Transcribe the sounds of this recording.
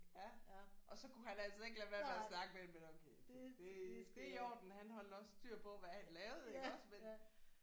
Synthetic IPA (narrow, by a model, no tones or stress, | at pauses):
jæʔɒ̽sɒ̽kʰuhænælsɒe̝ɡ̥læʋæɐæsnɑ̈ɡ̥əmedemenokʰed̥e̝dd̥e̝jɒːd̥n̩ɦænɦɒ̽l̰d̥ɒ̽sd̥yɐ̰pʰɒ̽ʋæhænlɛːʊð̩ˠelɒsmen